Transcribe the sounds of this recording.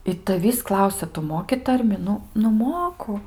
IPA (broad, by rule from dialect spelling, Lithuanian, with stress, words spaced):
ɪ tɐˈʋʲiːs ˈklˠɐʊsʲɛ tʊ ˈmoːkʲɪ ˈtɐrʲmʲɪ ˈnʊ nʊ ˈmoːkʊ